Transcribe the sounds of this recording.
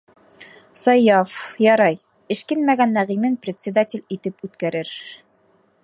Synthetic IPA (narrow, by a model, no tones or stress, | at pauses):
sɒjːɑfjɒɾɑj | ɘ̆ʃkɘnmæɡænːæʁimɘnprʲɪt̪ʲsʲɪd̪atʲɪlʲit̪ɘpʉt̪kæɾɘɾ